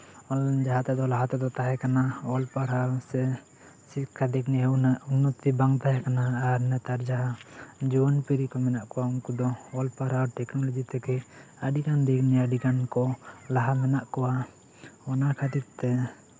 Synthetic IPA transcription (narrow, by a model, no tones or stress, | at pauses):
ɔd͡ʒaɦat̪ɛd̪ɔlaɦat̪ɛd̪ɔt̪aɦɛkanaɔlpaɾasɛ | sikʰad̪iknɛunɔt̪ibaŋt̪aɦɛkanaːɾnɛt̪aɾd͡ʒaɦad͡ʒuwɔnpiɾikɔmɛnaʔkɔwaunkud̪ɔɔlpaɾaɾʈɛknɔlod͡ʒit̪ɛkɛaɖikand̪ikniaɖikankɔlaɦamɛnaʔkɔwa | ɔnakʰad̪ik̚t̪ɛ